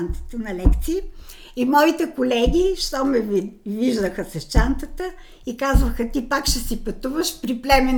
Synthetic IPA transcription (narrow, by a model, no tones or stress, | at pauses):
nt̪ə̥t̪ənɐlɛkt̪siː | imɔit̪ɛkolɛɡʲiʃt̪ɔmɛviviʒd̪əxəsɛʃt͡ʃant̪ət̪ə | ikazvəxət̪ipakʃɛsipɐt̪uvəʃpɾiplɛmɛ